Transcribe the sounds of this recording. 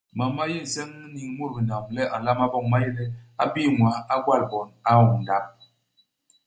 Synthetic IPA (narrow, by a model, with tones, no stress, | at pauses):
ma˨mmːa˦ji˦˨n̩˨sɛ˦ŋ˦ni˨ŋ˦mu˦ɾbi˨na˨m˨lɛ˦ʔa˨n˨la˦ma˦bɔ˦ŋma˦ji˦lɛ˦a˦bi˦˨mwa˨a˦ɡwa˦˨lbɔ˨na˦˨wu˨n˨da˦m̚